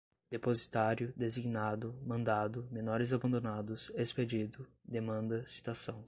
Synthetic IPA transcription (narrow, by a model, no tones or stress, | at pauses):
d̪̥epozit̪aɾjʊd̪eziɡnad̪ʊmɐ̃nd̪ad̪ʊmẽnɔɾɪzabɐ̃nd̪onad̪ʊsesped͡ʒid̪ʊd̪emɐ̃nd̪ɐsi̥t̪asɐ̃w̃